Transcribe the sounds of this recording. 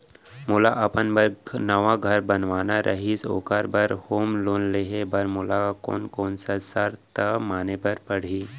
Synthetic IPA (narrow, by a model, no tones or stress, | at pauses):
mʊlaʔɐpənbəɾnɐʋaɡʱɐɾbɐnʋaːnaɾʔɐ̰ɦiso̰ːkaɾbɐɾhoːmloːnleɦebɐɾmʊlakako̰ːnkoːnsasəɾt̪əmaːnebɐɾpɐɽ̤iː